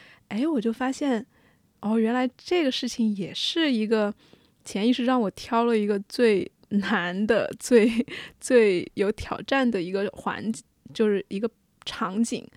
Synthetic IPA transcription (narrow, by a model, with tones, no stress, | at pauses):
e˥ɪwɔ˨˩t͡ɕjo˥˩ʊfa˥ɕjɛ˥˩n | ɔ˥˩ɥɛ˧˥nla˧˥ɪʈ͡ʂɤ˥˩ɡə˩ʂɻ̩˥˩t͡ɕʰi˨˩ŋjɛ˨˩ʂɻ̩˥˩i˧˥ɡə˧ | t͡ɕʰjɛ˧˥ni˥˧ʂɻ̩u˥˧ʈ͡ʂɑ˥˩ŋwɔ˨˩t̪ʰjɑ˥ʊlə˨i˧˥ɡə˧t͡swe˥˩ɪ | na˧˥nd̪ə̰˧t͡swe˥˧ɪt͡swe˥˩ɪjo˧˥ʊt̪ʰjɑ˨˩ʊʈ͡ʂa˥˩nd̪ə˩i˧˥ɡə˧xwa̰˧˥nt͡ɕi̥˨˩t͡ɕjo˥˧ʊʂɻ̩˥˩ʔi˧˥ɡə˧ | ʈ͡ʂʰɑ˧˥ŋt͡ɕḭ˨˩˦ŋ